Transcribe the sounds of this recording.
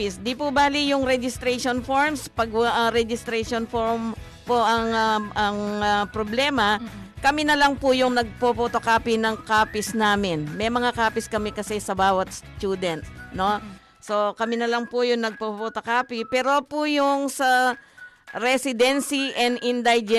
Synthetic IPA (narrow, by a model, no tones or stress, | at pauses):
pɪsd̪ipʊbaːlijʊŋɾɛd͡ʒɪst̪ɾɛʃonfoɹmspɐɡʔɐɾɛd͡ʒɪst̪ɾɛʃonfoɹm | poʔɐŋɐʔɐŋɐpɾoblɛːmɐkɐmɪnɐlɐŋpʊjʊŋnɐɡ̚popot̪okaːpɪnɐŋkaːpɪsnaːmɪnmɛjmɐŋakaːpɪskɐmɛkɐsɛsɐbaːwɐt̪̚st̪juːd̪ɛnt̪̚no̞ | so̞kɐmɪnɐlɐŋpʊjʊŋnɐɡ̚popot̪ɐkaːpɪpɛːɾopʊjʊŋsɐ | ɾɛsɪd̪ɛnsiʔɛnd̪ɪnd̪ajd͡ʒɛ